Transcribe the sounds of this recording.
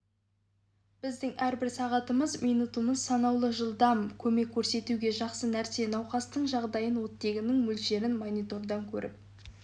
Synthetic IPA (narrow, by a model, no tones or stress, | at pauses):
b̥ɪzd̪ɪŋæɾbɪɾsɑʁɑt̪əməzmijnut̪uməzsɑnɑwlˠəʒəlˠd̪ɑmkʲʰɵme̞kʲʰːɵɾse̞t̪uɡʲe̞ʒɑqsənæɾse̞nɑwqɑst̪əɴʒɑʁd̪ɑjənwo̞t̪ːe̞ɡʲɪnɪŋmɵlʃe̞ɾɪnmonijt̪o̞ɾd̪ɑŋkʲʰɵ̰ɾʔɪ̰p̚